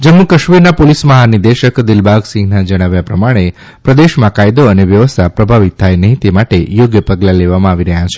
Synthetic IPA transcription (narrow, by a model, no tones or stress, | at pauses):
d͡ʒəmːukəʃʋiɾnapolisməɦanid̪eʃəkd̪ɪlbʱaɡsĩŋɡnad͡ʒəɽ̃aʋjapɾəmaɽ̃e | pɾəd̪eʃmãkajd̪oəneʋjəʋəst̪ʰapɾəbʱaʋit̪ʰːajnəɦĩt̪emaʈejoɡjəpəɡlaleʋamãaʋiɾəɦjat͡ʃʰe̥